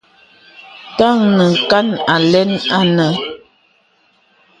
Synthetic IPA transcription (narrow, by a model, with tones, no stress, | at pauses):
ta˦˨ŋnə˨ŋ̩˨ka˦na˨lɛ˦na˦nə˨